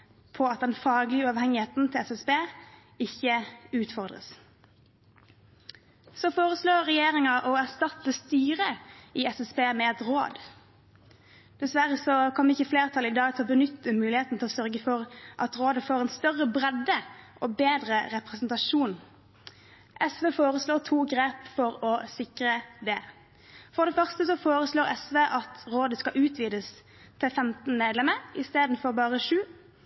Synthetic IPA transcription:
pʰɔɑt̪̚d̪ɛnfɑːɡlɪʉːɑːʋhɛŋɪheːt̪n̩t̪ʰɪlɛsɛsbeː | ɪçːəʉːt̪fɔʁd̪ʁə̰s | sɔfoːɾəsloːɛjeːɾɪŋɑʔɔæʁst̪ɑt̪ːəst̪yːʁəɪɛsɛsbeːmɛɛt̪ʁo̰ːd̪ | d̪̥ɛsʋæɾəsɔkʰɔmːəɪçːəfleːʁt̪ʰɑlɪd̪ɑːɡt̪ʰɪlɔbənʏt̪ːəmʉːlɪheːt̪n̩t̪ʰɪlɔsœɾɡəfɔʁʔɑt̪ʁoːd̪əfoːʁɛnst̪œʁːəbʁɛd̪əʔɔbeːd̪ʁəʁɛpʁɛsnt̪ɑʂuːn | ʔɛsʋeːfoːʁəsloːt̪ʰuːɡʁeːpfɔɾɔsɪkʁəd̪ɛ | fɔʁd̪ɛfœʁst̪əsɔfoːɾəsloːʁɛsʋeːʔɑt̪ʁoːd̪əskɑʔʉːt̪ʰʋiːd̪əs | t̪ʰɪlfɛmt̪nmeːd̪lɛməɪst̪eːd̪n̩fɔʁbɑːʁəʂʉː

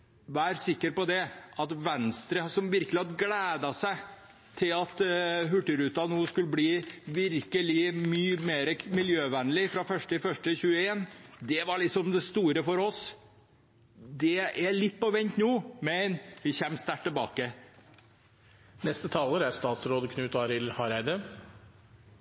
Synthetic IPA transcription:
ʋæːɾsɪkːəɾpɔd̪ɛʔɑt̪ʋɛnst̪ɾəsɔmʋɪɾkəlɪhɑd̪ɡlæːd̪ɑsæɪ | t̪ʰɪlɑt̪ɦʉʈːəɾʉːt̪ɑnuːskʉləbliːʋɪɾkəlɪmyːmeːɾəmɪljøːʋænlɪfɾɑfœʂʈɪfœʂʈəçʉːəeːnd̪ɛʋɑɭɪksɔmd̪ɛst̪uːɾəfɔɾɔs | d̪ɛæɭɪt̪̚ːpɔʋɛnt̪nuːmɛnʋɪçɛmːst̪æʈ̪ʰːɛlbɑ̰ːkə | nɛst̪ət̪ʰɑːləɾæɾst̪ɑːt̪sɾoːd̪kʰnʉːt̪ɑɾɪlhɑɾæɪd̪ə

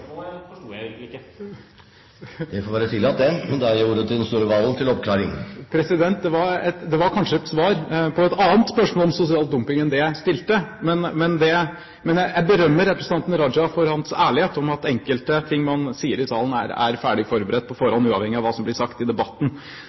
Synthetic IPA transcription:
ɪkːə | d̪ɛfoːɾʋæːɾət̪ʰɪlɑt̪̚d̪ɛmɛnd̪ɑuːɾət̪ʰɪd̪ɛnst̪uːɾəʋɑːln̩t̪ʰɪlɔpkʰlɑːɾɪŋpʰɾɛsɪd̪ɛnt̪̚d̪ɛʋɑɾɛt̪d̪ɛʋɑɾkʰɑnʂəɛt̪sʋɑːɾpʰɔɛt̪ɑːənt̪spœʂmɔːlɔmsʊsɪɑːlt̪̚d̪ʊmpɪŋɛnd̪ɛst̪ɪlt̪əmɛnmɛnd̪ɛ | mɛnjæjæɪbəɾœmːəɾɛpɾəsn̩ɑnt̪n̩əɾɑd͡ʒɑfɔɾhɑnsæːɭɪheːt̪ɔmɑt̪ɛŋkəlt̪ət̪ʰɪŋːmɑnsiːəɾɪsɑ̰ːlˠən̩æ̰ɾæ̰ɾfæːɖɪfɔɾbəɾɛt̪̚ːpʰɔfɔɾhɔnːʉːɑ̰ʋhɛŋːɪɑʋɑːsɔmblɪʂɑkt̪ɪd̪ɛbɑt̪ːn̩

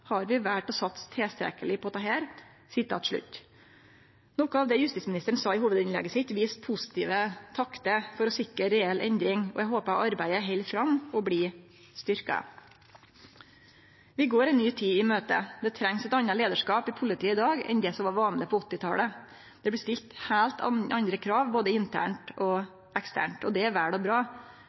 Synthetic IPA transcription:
hɑɾʋɪʋæʈɔsɑt̪st̪ʰeːst̪ɾɛ̰kəlɪpʰɔt̪ʰɑɦæːɾ | sɪt̪ʰɑ̰ːt̪ʂɭʉ̰t̪ː | nɔkəɑːʋd̪ɛjʉst̪ɪt̪smnɪst̪əɳ̩sɑɪhuːʋəd̪ɪnlɛ̰ɡəsɪt̪ʋiːspʰʊsɪ̥t̪ʰiːʋət̪ʰɑkt̪əfɔɾɔsɪkəɾɛɛlʔɛ̰nd̪ɾɪŋɔ̰ɛɡɦoːpəʔɑɾbæɪəɦɛɪlfɾɑmɔbliː | st̪ʏɾkɑ̰ | ʋɪɡoːɾɛɪnnyːt̪ʰiːɪmøːt̪ə̰d̪ɛt̪ʰɾɛŋsɛt̪ɑnːɑleːd̪əʂkɑːpɪpʰʊlɪt̪ʰiːəɪd̪ɑːɡɛ̰nd̪ɛːsɔmʋɑːɾʋɑːnləpʰɔɔt̪ːɪt̪ʰɑ̰ːlə | d̪̥ɛbɽɪst̪ɪlt̪hæːlt̪ʰɑ̰ʔɑnd̪ɾəkʰɾɑːʋboːd̪əɪnt̪ʰæ̰ːɳʈɔ | ʔɛkst̪ʰæ̰ːɳʈɔd̪ɛæɾʋæːɽɔbɾɑː

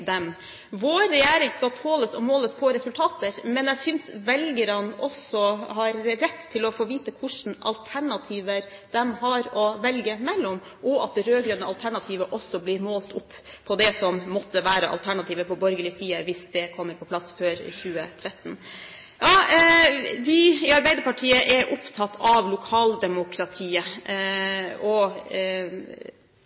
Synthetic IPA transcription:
d̪ɛm | ʋoːɾɛjæːɾɪŋskɑt̪ʰoːləsɔmoːləspʰɔɾɛsʉlt̪ʰɑːt̪əɾmɛnjæɪsʏnsʋɛlɡəɾɑnɔsɔhɑɾːɛt̪ʰːɪlɔfoːʋiːt̪əkʰʊʂn̩ɑ̰lt̪ʰæɳɑt̪ʰiːʋəɾd̪ɛmhɑɾɔʋɛlɡəmɛlːɔm | ʔɔʔɑ̰t̪̚d̪ɛɾøːɡɾønəɑlt̪ʰæɳɑt̪ʰiːʋəʔɔsːɔblɪɾmoːlt̪ʰʊpːpʰɔd̪ɛsɔmːɔt̪ːəʋæːɾəʔɑ̰lt̪ʰæɳɑt̪iːʋəpɔbɔɾɡəlɪsiːəʋɪsd̪ɛkʰɔmːəɾpʰɔpʰlɑsføːɾɪ̰çʉːət̪ʰɾɛt̪n̩ | jɑː | ʋɪɪɑɾbæɪd̪əɾpɑʈʰiːəʔɛɾʔʊpt̪ʰɑt̪ʰːɑʋlʊkʰɑːld̪ɛmʊkʰɾɑt̪ʰiːə | ɔ

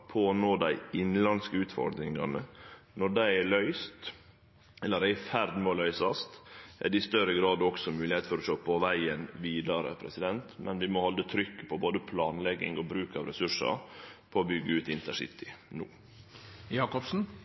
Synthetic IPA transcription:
pʰoːnoːd̪æɪɪnlɑnskəʉːt̪fɔ̰ɾd̪ɾɪŋɑ̰nənɔɖæɪlœʏst̪ | ɛlːəɖæɪfæɾd̪mɛɔlœʏsɑst̪ʔæ̰ɖ̪ɛɪst̪œɾəɡɾɑːd̪ɔksɔmʉːlɪheːt̪fɔɾɔʂoːpʰɔʋæɪənʋiːd̪ɑɾə̰pʰɾɛ̰sɪd̪ɛnt̪mʔɛnʋɪmɔhɔld̪ət̪ʰɾʏkːə̥pʰɔboːd̪əpʰlɑːnlɛɡːɪ̰ŋɔbɾʉːkɑʋɾɛsʉʂə̰ɾpʰɔːbʏɡːəʉːt̪ɪnt̪əsɪ̰t̪ʰɪnuː | jɑːkɔpsn̩

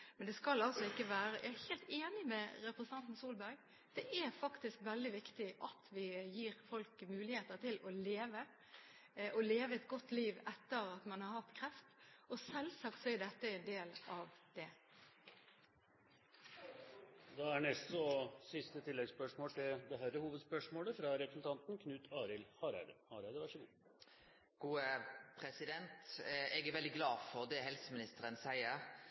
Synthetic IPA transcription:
mɛnd̪ɛskɑlɑlsɔɪkːəʋæːɾəjɑ̰æheːlt̪eːnɪmɛɾɛpɾəsət̪ɑnt̪n̩suːlbæɾɡ̚ | d̪̥ɛʔæɾfɑkt̪ɪskʋɛld̪ɪʋɪkt̪ɪʔɑt̪ʰʋɪjiːɾfɔlkmʉːlɪheːt̪əɾt̪ʰɪlɔleːʋə | ʔɔleːʋəɛt̪ɡɔt̪ːliːʋɛt̪ːəɾɑt̪mɑnhɑɾhɑt̪kʰɾɛft̪ɔsɛlsɑkt̪sɔɪd̪ɛt̪ːəɛnd̪eːlʔɑʋd̪̥ɛ | d̪ɑæɳɛst̪ɔsɪst̪ət̪ʰɪlːɛɡspœʂmoːlt̪ʰɪld̪ɛɦæɾəhuːʋəd̪spœʂmoːləfɾɑɾɛpɾəsn̩t̪ʰɑnt̪n̩kʰnʉːt̪ʰɑːɾɪlhɑɾæ̰ɪd̪əhɑːɾæɪd̪əʋæʂəɡuː | ɡ̥uːəpʰʁɛsɪd̪ɛnt̪ɛɡæʁʋɛld̪ɪɡlɑːfɔʁd̪ɛɦɛlsəmɪnɪst̪əʁənsæɪəʁ

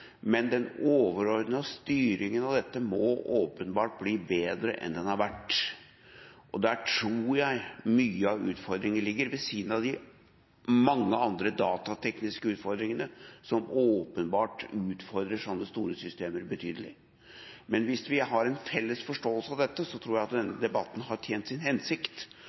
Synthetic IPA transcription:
mɛnd̪ɛnoːʋəɾɔɾd̪nɑst̪yːɾɪŋənɑd̪ɛt̪ːəmɔʔoːpənbɑːʈ̚bliːbeːd̪ɾə̰ʔɛ̰nd̪ɛnhɑɾʋæʈː | ʔɔd̪æʈʰɾuːɾjæɪmyːəɑʋʉ̰ːt̪fɔɾd̪ɾɪŋənəlɪɡːəɾʋɛsiːd̪ənɑʋd̪ɪ | mɑŋːəɑnd̪ɾəd̪ɑːt̪ɑt̪ʰɛknɪskəʉːt̪fɔɾd̪ɾɪŋənəsɔmoːpənbɑːʈʉːt̪fɔɾd̪ɾəʂɔmd̪əst̪uːɾəsʏst̪eːməɾbət̪ʰyːd̪əlɪ̰ | mɛnʋɪsʋɪɦɑɾɛnfɛlːəsfɔʂʈoːəlsəɑʋd̪ɛt̪ːəsɔt̪ʰɾuːɾjæɪɑt̪d̪ɛnːəd̪ɛbɑt̪ːn̩ɦɑʈ̪ʰjeːnt̪sɪnhɛnsɪkt̪

